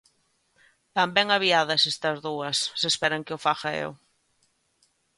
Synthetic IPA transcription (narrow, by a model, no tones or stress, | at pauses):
bambɛŋaβ̞iað̞ɐsest̪ɐzðuɐsːespɛɾɐŋkɪʊfaxaḛw